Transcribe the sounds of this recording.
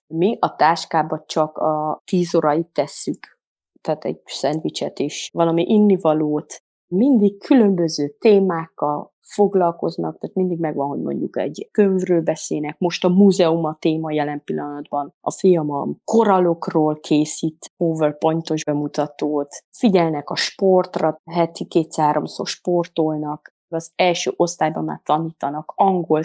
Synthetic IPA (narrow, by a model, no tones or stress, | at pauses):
miʔɒt̪aːʃkaːbɒt͡ʃɒkɒt̪iːzoɾɒjit̪ːɛsːyk | t̪aːt̪ɛ̰ɟsɛnt̪ʋit͡ʃɛt̪eːʃvɒlɒmiʔinːivɒloːt̪ | mind̪ikkʰylø̞mbø̞zøːt̪eːmaːkːɒl | fo̞ɡlɒlko̞̰znɒ̰k̚t̪aːt̪mind̪iɡmɛɡʋɒnɦo̞ɟmo̞̰ɲɟṵkɛ̰ɟkøɱvrøːlbɛseːnɛkmo̞ʃt̪ɒmuːzɛumɒt̪eːmɒjɛlɛmpilːɒnɒd̪bɒnɒ̰fijɒmɒmko̞ɾɒlo̞kroːlkʰeːsiːt̪oːvɛrpo̞jnt̪o̞ʒbɛmut̪ɒt̪oːt̪fiɟɛlnɛkɒʃpo̞rt̪rɒɦɛt̪ikeːt̪saːɾo̞msoːrʃpo̞rt̪olnɒk | ɒzɛlʃøːʔo̞st̪aːjbɒmːa̰ːrt̪ɒniːt̪ɒnɒkɒŋɡo̞l